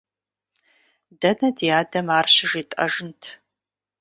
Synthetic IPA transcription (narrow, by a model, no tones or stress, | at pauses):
dɐnɐdijaːdɐmaːrɕɪʒiːtʼɐʒɨntʰ